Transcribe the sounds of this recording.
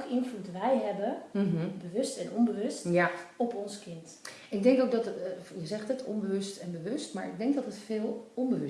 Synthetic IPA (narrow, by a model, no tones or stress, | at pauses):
kəɪnflutʋɛjɦɛbəɦbəʋɵstɛnɔmbəʋɵstjaɔpɔnskɪnt | ɪɡ̚dɛŋkowk̚dɑtjəzɛχtətʰɔ̰mbəʋɵstɛnbəʋɵstmaːɹɪɡ̚dɛŋk̚dɑtətfɪːlˠɔmbəʋə